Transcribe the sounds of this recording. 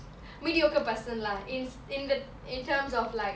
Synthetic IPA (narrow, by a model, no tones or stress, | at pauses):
midiokəpəsə̃nlaĩn | ĩnd̪ə | ĩntʰəːmzɔflaɪ